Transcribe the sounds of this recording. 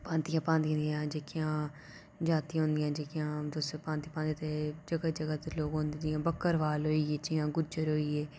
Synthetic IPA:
pãːnt̪ijãːpãːnd̪ĩnd̪ijãːd͡ʒeːkɪjãː | d͡ʒaːt̪iːɦõːnd̪ɪjãːd͡ʒeːkɪjãːd̪ospãːnt̪ipãːnd̪ĩt̪eːd͡ʒəɡəd͡ʒəɡət̪loːɡõːnd̪ijãːbəkːəɾʋaːlɦoːiːeːt͡ʃɪjãːɡʊd͡ʒəɾɦoːiːeː

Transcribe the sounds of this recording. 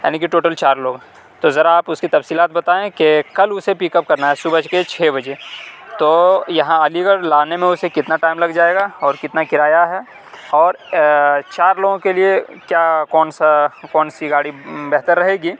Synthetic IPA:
ja̰ːnikiʈoːʈəlt͡ʃaːɾloːɡɦ | t̪ozɐɾaaːpʊskit̪ɐfsiːlaːt̪bɐt̪aːẽkekɐlʊsepiːkəp̚kɐɾnaɦɛsʊbəd͡ʒket͡ʃʰeːbɐd͡ʒet̪oːjɐɦãəliɡəɾlaːnemẽʊsekɪt̪naʈaːɪmlɐɡd͡ʒaːeːɡaɔːɾkɪt̪nakɪɾaːjaɦɛ | ɔːɾ | t͡ʃaːɾloːɡõkeliekjaːkɔːnsakɔːnsiɡaːɽibɛɦt̪əɾːɐɦeːɡiː

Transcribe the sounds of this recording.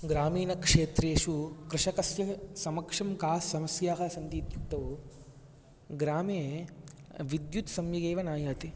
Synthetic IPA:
ɡɾaːmiːnɐkʂeːt̪ɾeːʂukɾɪʂɐkɐsjɐsɐmɐkʂɐmkaːɐmɐsjaːɦɐsɐnt̪iːt̪juk̚t̪ɐʋu | ɡɾaːme | ʋid̪jut̪sɐmjɐɡeːʋɐnaːjaːt̪i

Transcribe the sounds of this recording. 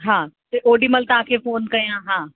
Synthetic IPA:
ɦãːt̪eʔoːɖimɐlt̪aːkʰefoːnkɐɾjãːɦãː

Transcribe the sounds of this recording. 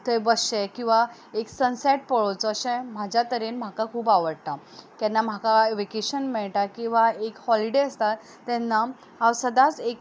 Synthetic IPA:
t̪əjbəɕɛ̃kĩw̃ʋa | eksənsɛʈ̚pəɭot͡səɕɛ̃m̤ad͡ʑʱjat̪əɾenm̤akakʰuːbaʋəɽt̪a | kɛnːam̤akaʋekeɕənmɛɭʈakĩw̃ʋaekhɔliɽeəst̪at̪ːɛnːa | awsəd̪at͡sek

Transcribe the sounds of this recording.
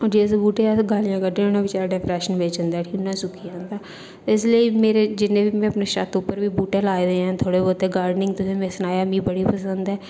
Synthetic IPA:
ɔːɾd͡ʒeːs̬ebuːʈeaɡaːlɪjãːkəɖẽʊnẽʋɪt͡ʃaːɾaɖɛpɾɛːʃənbeːt͡ʃə̃nd̪aːʈʰiːnãsʊkʰiãnd̪aː | t̪oɪs̬liimeːɾed͡ʒɪnẽːbiːmɛ̃əpneʃa̰ːt̪uːpəɾbiːbuːʈelaːed̪eɦɛ̃ːt̪ʰoːɽeboːt̪eɡaːɾɖnɪ̃ŋɡ̚t̪oɪsemẽsnaːjamiːbəɽipəsə̃nd̪ɦɛː

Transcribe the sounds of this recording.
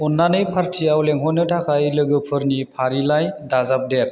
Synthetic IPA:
ɔnːanɯjpʰaɾtʰiawlɛŋɦɔnɯtʰakʰajlɯɡɯpʰɯɾnipʰaɾilajdazap̚dɛt̚

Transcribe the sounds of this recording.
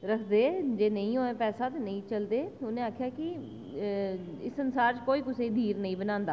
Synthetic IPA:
ɾəkʰd̪eːd͡ʒeːnəĩːɦoːeːpɛːsaːt̪enəĩːt͡ʃəld̪eːʊnẽːaːkʰjaːkɪ | ɪsːənsaːɾt͡ʃəkoːiːkʊseːd̪ʱiːɾnəĩːbənãːnd̪aː

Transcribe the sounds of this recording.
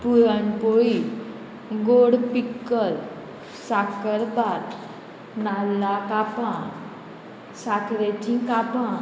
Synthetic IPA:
puɾənpoi | ɡoɽpikːəɾ | sakəɾbat̪ | nalːakapã | sakʰɾetĩkapã

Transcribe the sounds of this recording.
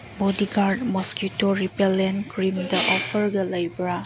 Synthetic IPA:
bɔdiɡaɾdmɔskutoɾipelenkɾimdɐʔɔpʰəɾɡɐlajbɾa

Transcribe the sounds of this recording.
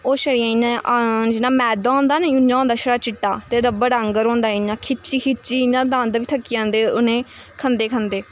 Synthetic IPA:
oːʃəɽiãːĩnãːd͡ʒɪnãːmɛːd̪aõːnd̪aːnẽːunãːõːnd̪aːʃəɽaːt͡ʃɪʈːa̰ːt̪eːɾəbəɽəŋɡəɾɦõːnd̪aːinãːkʰɪt͡ʃiːkʰɪt͡ʃiːnãːd̪ãːnd̪aːʋiːt̪ʰəkːijãːnd̪eːʊnẽːkʰənd̪eːkʰənd̪eː

